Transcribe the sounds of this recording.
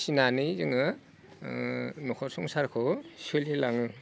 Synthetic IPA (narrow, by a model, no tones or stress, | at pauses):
sinanizɯŋɯ | nɔkʰɔɾsuŋsaɾkʰɔsɯlilaŋɯ